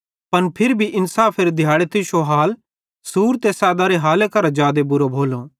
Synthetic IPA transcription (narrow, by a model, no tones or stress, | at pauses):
pɐnpʰɪɾbʱiʔɪnsaːpʰːeɾd̪ʱɪjaːɽet̪ɪʃoɦaːl | suːɾt̪esaːd̪aɾeɦaːlekɐɾad͡ʒaːd̪ebʊɾobʱoːloː